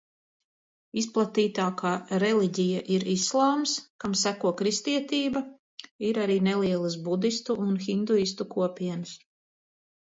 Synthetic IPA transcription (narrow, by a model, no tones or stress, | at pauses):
is̬plˠat̪iːt̪aːkaːɾeliɟijaʔiɾislˠɑːmskamsækuɔkɾist̪iɛt̪iːba | iɾaɾiːnelˠiɛlˠasbud̪ist̪uʔːnxind̪uist̪ukuɔpiɛnɨs